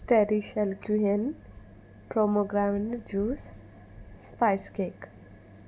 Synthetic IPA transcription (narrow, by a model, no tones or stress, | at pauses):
sʈeɾiʃɐlkjuɦen | pɾomoɡɾawɳɖd͡ʒuːsː | pajskek